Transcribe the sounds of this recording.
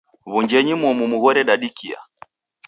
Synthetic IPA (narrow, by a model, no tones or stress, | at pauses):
βuɲd͡ʒɛɲimɔmumuɣɔɾɛɗaɗikia̰